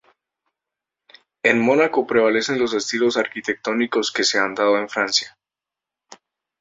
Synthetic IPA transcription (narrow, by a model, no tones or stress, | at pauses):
e̞nmo̞nako̞pɾe̞β̞ale̞se̞nlo̞s̬est̪ilo̞saɾkit̪e̞k̚t̪o̞niko̞ske̞se̞and̪aðo̞e̞ɱfɾansja